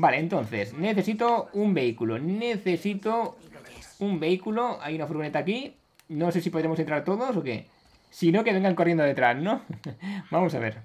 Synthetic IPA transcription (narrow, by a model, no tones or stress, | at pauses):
baleːnt̪õnθesneθe̞sit̪oumbeikuloneθesit̪o | umbeikuloa̰junafuɾɣonet̪aːki | nõsesipoðɾemosent̪ɾaɾt̪oðos̬okḛ | sinokeβeŋɡaŋkorje̞nd̪oðe̞t̪ɾaznõ | bamosa̰β̞eɾ